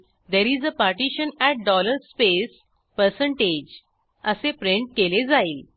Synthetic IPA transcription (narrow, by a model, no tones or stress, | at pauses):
d̪eɾiːd͡zəpaɾʈiɕənɛʈ̚ɖɔləɾspes | pəɾsə̃ɳʈed͡ʑ | əsepɾeɳʈ̚keled͡zaiːl